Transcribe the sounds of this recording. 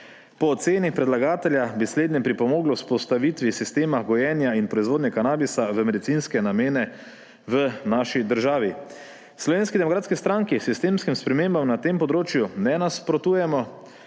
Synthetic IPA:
pɔːt̪seːnixpɾɛd̪laɡaːt̪ɛlʲjabisleːd̪nɛpɾipɔmoːɡlɔspɔst̪aʋit̪ʋisist̪eːmaɡɔjɛnjainpɾɔizʋoːd̪njɛkanaːbisaʋəmɛd̪it̪sinskɛnameːnɛ | ʋənaːʃid̪əɾʒaːʋi | slɔʋeːnskid̪ɛmɔkɾaːt̪skist̪ɾaŋkisist̪eːmskimspɾɛmeːmbamnat̪eːmpɔd̪ɾoːt͡ʃjunɛnaspɾɔt̪uːjɛmɔ

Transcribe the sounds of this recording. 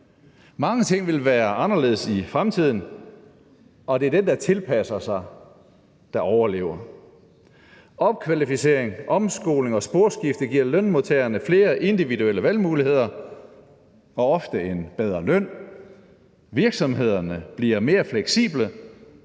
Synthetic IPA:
mɑ̈ŋət͡sʰe̝ŋ̰ʋe̝lʋæːɐʔɑ̈nɐle̝ðˠəsifʁamt͡sʰið̞̰ˠn̩ | ɒ̽d̥e̝æɐd̥end̥ɑ̈t͡sʰe̝lpʰæsɐsɑ̈ɪ | d̥ɑ̈ʔɒʊɐle̝̰ːʊɐ | ɒ̽b̥̚kʰʋælifise̝̰ːɐ̰eŋʔɒ̽msɡ̥o̝̰ːle̝ŋɒ̽sb̥o̝ɐ̰sɡ̥ifd̥əɡ̥iɐ̰lœnmot͡sʰeːɐnəfle̝ːɐʔe̝nd̥iʋidueləʋælmuːlihe̝ð̰ˠɐ | ɒ̽ɒ̽fd̥əe̝nb̥eð̞ˠʁɐlœn̰ | ʋiɐɡ̥sɒ̽mɦe̝ð̞̰ˠɐnəb̥liɐme̝ːɐfleɡ̥sḭːb̥lə

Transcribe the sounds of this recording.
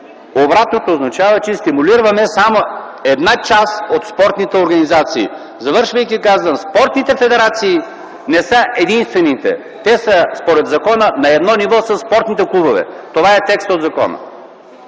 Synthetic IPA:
obɾat̪not̪oːznɐt͡ʃavɐt͡ʃɛst̪imuliɾvɐmɛsamo | ɛd̪nat͡ʃasot̪spɔɾt̪nit̪ɛoɾɡɐnizat̪sḭː | zɐvɤɾʃvəjkʲikazvɐmspɔɾt̪nit̪ɛfɛd̪ɛɾat̪siː | nɛsəʔɛd̪inst̪vɛnit̪ɛ̰ | t̪ɛsəspoɾɛd̪zɐkɔnənɐɛd̪nɔnivɔsəsːpɔɾt̪nit̪ɛklˠubovɛ̰t̪ovaɛt̪ɛkst̪od̪zɐkɔ̰nə̰

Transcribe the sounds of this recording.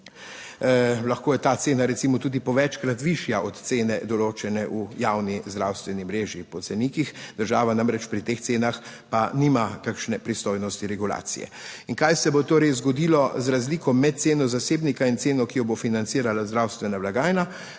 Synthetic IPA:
laxkoːjɛt̪at̪seːnaɾɛt̪simɔt̪uːd̪ipɔʋɛt͡ʃkɾat̪ʋiʃjaʔɔt̪t̪seːnɛd̪ɔloːt͡ʃɛnɛʔujawnizd̪ɾawst̪ʋɛnimɾeːʒjipɔt̪sɛniːkixd̪̥əɾʒaːʋanamɾɛt͡ʃpɾit̪eːxt̪seːnax | paniːmakakʃnɛpɾist̪oːjnɔst̪iɾɛɡula̰ːt̪sḭjɛ̰iŋkajsɛbot̪oːɾɛjzɡɔd̪ilɔzɾazliːkɔmːɛt̪̚t̪seːnɔzaseːbnikaint̪seːnɔkijɔbofinant̪siːɾalazd̪ɾawst̪ʋɛnaʋlaɡaːjna

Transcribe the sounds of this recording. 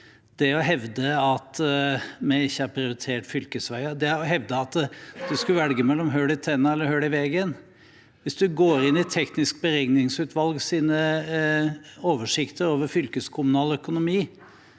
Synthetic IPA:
d̪̥ɛɔɦɛʋd̪əɑt̪ | mɛɪçːəæɾpʰɾɪʊɾɪt̪ʰeːʈfʏlkəsʋæɪəd̪ɛɔɦɛʋd̪əɑt̪d̪̥ʉskʉʋɛlɡəmɛlːɔmɦøːɽɪt̪ʰɛnːɑɛlːəɾhøːɽɪʋɛɡən | ʋɪsd̪ʉɡoːɾɪnːɪt̪ʰɛknɪsk̚bəɾɛɡnɪŋsʉːt̪ʰʋɑlɡsiːnə | oːʋəʂɪkt̪ʰəɾoːʋəɾfʏlkəskʰʊmʉnɑːləœkʊnʊmiː

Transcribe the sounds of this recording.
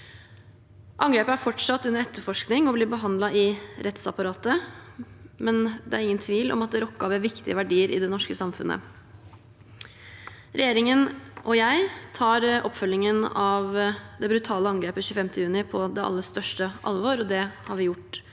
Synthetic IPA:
ʔɑŋɡɾeːpəæɾfɔʈʂɑt̪ːʉnːəɾɛt̪ːəfɔʂknɪŋɔblɪːbəɦɑnd̪lɑʔɪɾɛt̪sɑpɑɾɑːt̪ə | mɛnd̪ɛæɾɪŋːənt̪ʰʋiːlʔɔ̰mɑt̪̚d̪ɛɾɔkːɑʋɛːʋɪkt̪ɪəʋæɖiːəɾʔɪ̰d̪ɛnɔʂkəsɑmfʉ̰nə̰ | ɾɛjeːɾɪŋənʔɔjæɪt̪ʰɑːɾɔ̰pːfœlːɪŋənɑʋd̪ɛbɾʉt̪ʰɑːləɑŋɡɾeːpəɕʉːəfɛmt̪əjʉːnɪpʰɔd̪ɛɑ̰lːəst̪œʂʈəʔɑ̰lʋoːɾɔd̪ɛhɑɾʋɪjʊʈː

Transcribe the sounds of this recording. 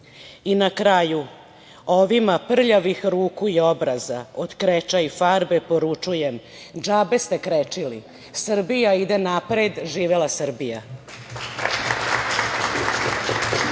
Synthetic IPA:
inakɾaju | o̞ʋimapr̩ʎaʋixɾuːkuio̞bɾazaod̪kɾet͡ʃaifaɾbepo̞ɾut͡ʂujem | d͡ʒabe̞st̪e̞kɾet͡ʂili | sr̩bijaid̪enapɾed̪ʒiːʋelasr̩bija

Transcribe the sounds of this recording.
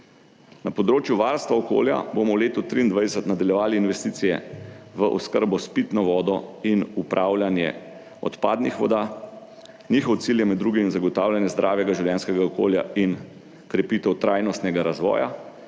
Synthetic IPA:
napɔd̪ɾoːt͡ʃjuʋaɾst̪ʋaɔko̰ːlja̰bomɔwleːt̪ut̪ɾiːnd̪ʋajd̪ɛsət̪nad̪aljɛʋaːliːnʋɛst̪iːt̪sijɛʋəʔɔskəɾbɔspit̪nɔʋɔːd̪ɔinupɾʔawlʲjanjɛ̰ | ɔ̰t̪paːd̪nixʋɔd̪a | niːxɔwt̪siljɛmɛd̪ːɾuːɡimizaɡɔt̪aːwlʲjanjɛzd̪ɾʔaːʋjɛɡaʒiwljɛːnskɛɡaɔkoːlja̰in | kɾɛpit̪ɛwt̪ɾʔajnɔst̪nɛɡaɾazʋɔ̰ːja̰

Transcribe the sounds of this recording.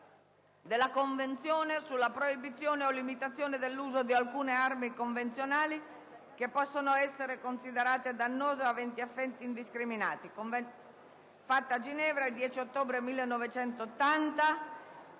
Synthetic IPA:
d̪elːakoɱvent̪sjoːnesulːapɾoibit̪sːjoːneolimit̪at̪sːjoːned̪elːuːzod̪ialkuːnearmikoɱvent̪sjonaːli | kepːɔsːonoɛsːeɾekonsid̪eɾaːt̪ed̪anːoːzeavɛnt̪iafːɛnt̪iːnd̪iskɾimina̰ːt̪ikov | fat̪ːead͡ʒinɛːvɾaild̪jɛːt͡ʃiot̪ːoːbɾemilːenːɔvet͡ʃɛnt̪oːt̪ːant̪a

